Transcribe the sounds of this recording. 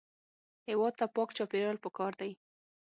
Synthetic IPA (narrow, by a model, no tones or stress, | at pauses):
hewɑd̪̚t̪apɑkt͡ʃɑpeɾɑlpəkɑɾd̪aj